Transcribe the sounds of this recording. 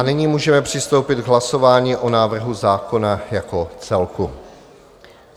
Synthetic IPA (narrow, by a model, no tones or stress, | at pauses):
anɪɲiːmuːʒɛmɛpr̥ɪst̪o̞wpɪt̪ɡɦlaso̞vaːɲiːʔonaːvr̩ɦuzaːko̞najakot͡sɛlku